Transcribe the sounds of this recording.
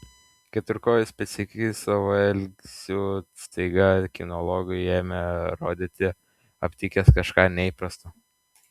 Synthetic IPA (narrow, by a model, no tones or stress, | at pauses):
kʲɛt̪ʊɾkoːjʊsʲpʲɛt̪sʲɪkʲɪsɐʋɐɛlʲɡsʲuːst̪ɐɪɡɐkʲɪnɔlˠɔːɡʲʊjeːmʲɛɾoːd̪ʲɪt̪ʲɪ | ɐpʲt̪ʲikʲɛskɐʃkɑːnʲɛiːpɾɐst̪oː